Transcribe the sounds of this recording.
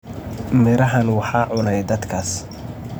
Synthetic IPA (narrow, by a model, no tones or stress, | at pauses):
mɪɾɐɦɐnwɑħɑːʕʊnɛjd̪ɐd̪kʰaːs